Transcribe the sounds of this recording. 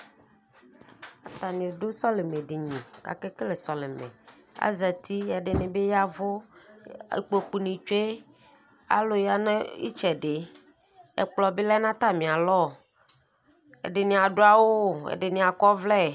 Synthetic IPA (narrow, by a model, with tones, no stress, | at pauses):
a˨t̪a˨nĩ˨do˦sɔ˦le˨mẽ˨ɖi˨ɲĩ˨ka̰˨ke˦ke˦le˨sɔ˨le˨mḛ̃˨ | a̰˦zɛ˨t̪ʰi˦a˨ɖe˨ne˨be˦ja˦vo˦ | ḛ˨k͡po˨k͡pu˨nĩ˨t͡ʃo˦e˦ | a̰˦lo˨ja˦ne˦ḭ˦t͡ʃɛ˨ɖe˨ | ɛ̰˨k͡plɔ˨bi˦lɛ˦nã˦t̪a˦mĩ˨a˨lɔ˦˨ | ḛ˨ɖe˨nĩ˨a˨ɖo˦a˨wo˦˨ḛ˨ɖe˨nĩ˨a˨kɔ˦vlɛ˦˨